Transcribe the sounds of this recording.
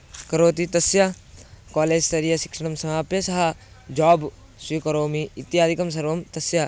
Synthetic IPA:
kɐɾoːt̪it̪ɐsjɐ | kaːleːd͡ʒsɐɾijɐʃi̥kʂɐɽ̃ɐmsɐmaːpjesɐɦɐ | d͡ʒaːb | swikɐɾoːmiːt̪ːijaːd̪ʱikɐms̬ɐɾʋɐmt̪ɐsjɐ

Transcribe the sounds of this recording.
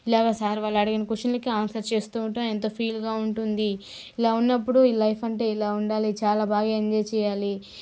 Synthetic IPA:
ilaːɡaːsaːɾiʋaːɭːɐɽɐɡinɐkuʂɐnlɐkiaːnsɐɾt͡ʃe̞ːst̪uːʈɐment̪o̞ːpʰiːlɡaːuɳʈund̪i | ilaːunːɐpːuɽuiːlɐjpɐɳʈe̞ːilaːuɳɖaːlit͡ʃaːlaːbʱaːɡaːɐɲd͡ʒɐjt͡ʃɛːjaːli

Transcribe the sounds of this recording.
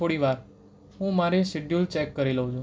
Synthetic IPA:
oɽiʋaɾ | ɦũmaɾesɪɖjult͡ʃɛkːəɾiləɦũt͡ʃʰũ

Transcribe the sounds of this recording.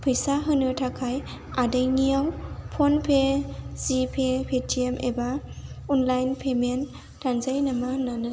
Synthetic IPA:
pʰɯjsaɦɯnɯtʰakʰaj | adajnijawpʰonpʰez̥ipʰepʰetʰiemʔḛbaɔnlajnpʰemen | tʰanzajnamananɯ

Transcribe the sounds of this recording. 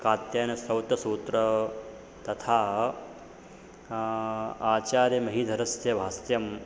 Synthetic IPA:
kaːt̪jaːnɐsɐwt̪ɐsuːt̪ɾɐ | t̪ɐt̪ʰaː | aːt͡ʃaːɾjɐmɐɦid̪ʱɐɾɐsjɐʋʱaːst̪jɐm

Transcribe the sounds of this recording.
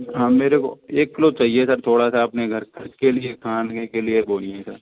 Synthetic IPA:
ɦãːmeːɾeko̰eːkːlot͡ʃaɦiesɐɾt̪ʰoːɽasaɐpneɡʱɐɾkɐkeliekʰaːnkekelieboːliɛ̃səɾ

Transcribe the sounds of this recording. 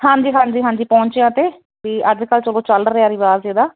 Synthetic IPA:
hãːɲd͡ʒiːɦãːɲd͡ʒiːɦãːɲd͡ʒiːpɔ̃ːɲt͡ʃɪjãːt̪eː | teːʔəd͡ʒkəlt͡ʃəlõːt͡ʃəlɖɾeaːɾiʋaːzeːd̪aː

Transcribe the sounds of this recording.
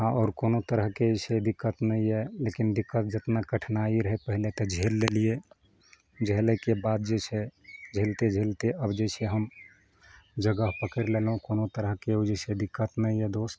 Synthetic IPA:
ɦãʔɔːɾkonot̪əɾəɦkesed̪ikːət̪nəjɛlekind̪ikːət̪̚d͡ʒət̪nakəʈʰnaiɾəɦepəɦilet̪ɔd͡ʒʱeɾlelije | d͡ʒəɦlekebad̪̚d͡ʒesʰed͡ʒʱelt̪ed͡ʒʱelt̪eʔəbd͡ʒeseɦəm | d͡ʒəɡəɦpəkəɾlelɦũkonot̪əɾəɦkeod͡ʒesed̪ikːət̪nəjɛd̪ost̪

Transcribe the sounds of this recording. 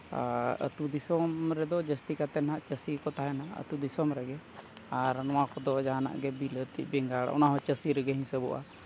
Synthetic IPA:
a̰ə̰t̪ud̪isɔmɾɛd̪ɔd͡ʒəst̪ikat̪ɛnɦaʔt͡ʃəsikɔt̪aɦɛnaʔə̰t̪ud̪isɔmɾɛɡɛ | aɾnɔwakɔd̪ɔd͡ʒaɦana̰ʔɡɛbilət̪ḭʔbɛŋɡaɽa̰ʔɔ̰naɦɔ̃t͡ʃəsiɾɛɡɛɦĩsəbɔʔa̰

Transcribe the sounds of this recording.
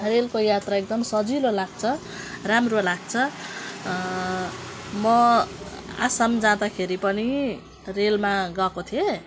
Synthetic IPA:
relkojat̪raek̚d̪ʌmsʌd͡zilolaɡ̚t͡sʰʌ | ramrolaɡ̚t͡sʰʌ | mʌ | a̰samd͡zãd̪akʰeɾipʌni | relmaɡʌkot̪ʰije

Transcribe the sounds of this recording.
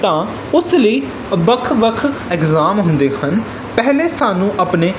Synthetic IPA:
t̪ãː | ʊsləiː | ʋəkʰʋəkʰɪkzaːmɦʊ̃nd̪eːhən | pɛɦleːsaːnũːʔəpneː

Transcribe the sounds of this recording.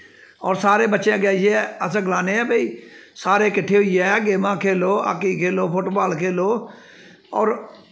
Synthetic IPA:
ɔːɾsaːɾeːbətːʃẽːɡɛːʃɛːəs̬ɡlaːneːɛːbəiːsaːɾeːkɪʈʰːeːɦʊiːɛːɡeːmãːkʰeːloːa̰kːiːkʰeːloːpʊʈbaːlkʰeːloː | ɔ̰ːɾ

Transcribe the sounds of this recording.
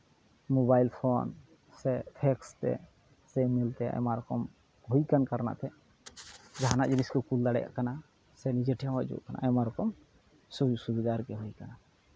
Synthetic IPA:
mobajlpʰɔn | sɛpʰɛkst̪ɛ̰ | sɛmilt̪ɛa̰maɾɔkɔm | ɦojkankaɾna̰ʔt̪ɛ | d͡ʒaɦanaʔd͡ʒeniskɔkuld̪aɽɛ̰ja̰ʔkana | sɛnid͡ʒəʈʰijãwad͡ʒṵʔkana̰ʔɛmaɾɔkɔm | susubɛd̪aɾɡɛɦojkana

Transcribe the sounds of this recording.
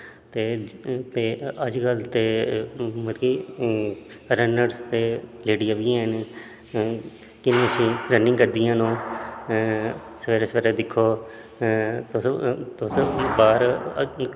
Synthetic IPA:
t̪eːt̪eːəd͡ʒkəlt̪eː | məɾiː | ɾənəɖst̪eːleːɽijãːʋiãːən | kɪnəsĩːɾənːɪ̃ŋɡkəɾd̪ɪjãːnõː | sʋeːɾesəɾed̪ɪkʰːoː | t̪t̪ʊsbaːɾ

